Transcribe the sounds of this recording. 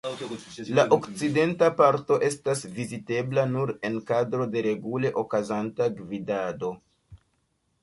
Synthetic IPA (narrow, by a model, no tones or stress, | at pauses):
laʔo̞kt͡side̞ntapaɾto̞ʔe̞stasvizite̞blanuɾe̞nkadɾo̞de̞ɾe̞ɡule̞ʔo̞kazantaɡvidado̞